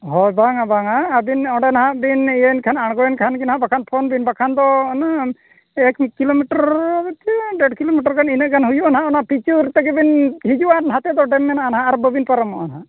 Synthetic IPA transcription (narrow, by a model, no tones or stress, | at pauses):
ɦɔjbaŋabaŋaːbinɔɖɛnaɦabinɛnkʰanaɽ̃ɡɔjɛnkʰankinaɦaʔbakʰanpʰɔnbinbakʰand̪ɔna | ɛkmikilomiʈɔɾt̪iɖɛɖkilomiʈaɾkʰaninəʔkʰanɦujuanɦaʔɔnapit͡ʃuɾt̪ɛɡɛbinɦid͡ʒuanɦat̪ɛd̪ɔɖɛmːɛnaanaɦaaɾbəbinpaɾamɔʔanɦaʔ